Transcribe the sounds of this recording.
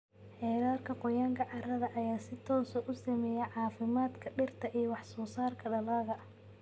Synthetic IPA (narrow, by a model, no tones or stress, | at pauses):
ħɛːɾaːrkʰɐqɔjaːŋkʰɐʕɑrɐðɐʔɐjaːsɪt̪ʰɔːsɔʔʊsɐmɛjɛʕɑːfɪmaːd̪kʰɐɖɪrt̪ʰɐʔijɔwɑħsɔːsaːrkʰɐɖɐlaːðɐ